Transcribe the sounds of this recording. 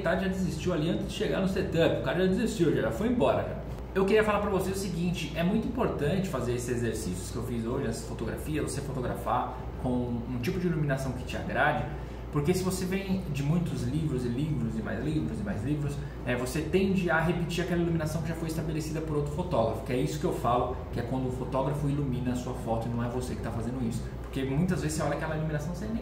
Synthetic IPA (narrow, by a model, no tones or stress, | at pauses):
t̪ad͡ʒɪʒadɪzist͡ʃiwaliɐ̃nt͡ʃ̪ɪzd͡ʒɪʃeɡa̰ɾnʊst̪aɾt̪ɐpʊkaɾɐʒad̪ɪzist͡ʃiwʒaʒafojẽbɔɾɐ̰ʒa̰ | ewkɪɾiɐfalaɾpɾɐvosezʊsɪɡĩnt͡ʃɪʔɛmũj̃t̪ʊĩpoɾt̪ɐ̃nt͡ʃɪ̥fazeɾesɪzezeɾsisjʊ̥skɪewfizoʒɪasɐ̥fot̪oɡɾa̰fiɐvosefot̪oɡɾa̰fa | kõw̃ũt͡ʃipʊd͡ʒɪilumĩnasɐ̃w̃kɪ̥t͡ʃɪa̰ɡɾad͡ʒɪ | poɾkesɪvosevẽj̃d͡ʒɪmũj̃t̪ʊzlivɾʊzɪlivɾʊzɪma̰jzlivɾʊzɪmajzlivɾʊs | ɛvoset̪ẽnd͡ʒɪɐɦepɪt͡ʃiɾakɛlɐilumĩnasɐ̃w̃kɪʒafojɪst̪abelesid̪ɐpoɾowt̪ɾʊfot̪ɔɡɾɐfʊ̥kɪɛisʊ̥kɪewfalʊkɪɛkwɐ̃nd̪ʊːfot̪ɔɡɾɐfʊilumĩnɐːsuɐfɔt̪ʊɪnɐ̃w̃ɛvosekɪ̥t̪afazẽd̪ʊisʊ̥poɾkemũj̃t̪ɐzvezɪseɔlɐakɛlɐilumĩnasɐ̃w̃sẽj̃ẽ